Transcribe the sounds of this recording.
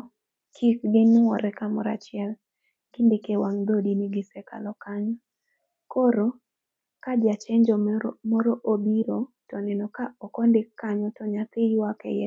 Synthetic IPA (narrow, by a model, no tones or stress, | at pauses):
kʰikɡɪnʊwɔɾɛkamɔɾa̰t͡ʃɪɛl | ɡ̥ɪndɪkewaŋd̪odiniɡɪsɛka̰lɔkaɲɔ | koɾo | kad͡ʒat͡ʃɛɲd͡ʒɔmɔɾoʔobiɾotɔnɛnɔkaɔkɔndɪkːaɲɔtɔɲat̪ɪwakɛ̰jɛ